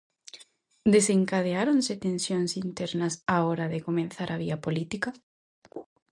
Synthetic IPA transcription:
d̪eseŋkaðeaɾonsɪt̪ẽnsjoŋsint̪ɛɾnɐsaɔɾɐðɪkomẽnθaɾʔɐβiɐpolit̪ikɐ

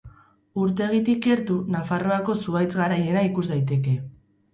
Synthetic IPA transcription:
uɾt̪e̞ɣ̞it̪ike̞ɾt̪unafaro̞ako̞suβajt͡sɣaɾaje̞naikuzd̪ajt̪e̞ke̞

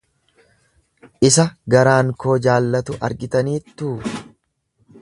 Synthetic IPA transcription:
ʔɪsɐɡɐɾaːŋko̞ːd͡ʒaːlːɐt̪ʊʔɐ̰ɾɡɪt̪ɐniːt̪ːuː

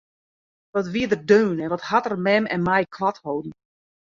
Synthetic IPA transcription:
dɔtʋiədərdøːnɛnʋɔthatərmɛmɛ̰nmɛjkʰlathowdn̩

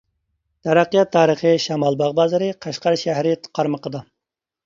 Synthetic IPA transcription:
t̪ʰɑɾæqːijɑt̪ʰːɑːɾəχəʃɑmɑlˠbɑʁbɑːzɨɾɨqʰɑʃqɑɾʃæɦɾɪt̪ʰqʰɑɾməqʰəd̪ɑ

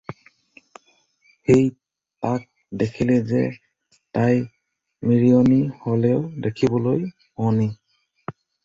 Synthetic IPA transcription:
xej | tak̚ | dekʰilɛzɛ̰ | taj | miɹiɔniholɛʊdekʰibɔloj | ɔni

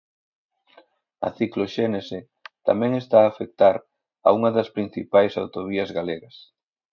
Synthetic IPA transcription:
ɐ̰θikloʃenese | t̪a̰mɛ̃ŋest̪aːfek̚t̪aɾ | ɐ̰uŋɐðɐspɾin̟θipajsawt̪oβiɐzɣaleɣɐs

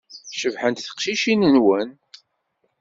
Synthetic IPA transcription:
ʃəvħənt̪θə̥qʃiʃinənwən

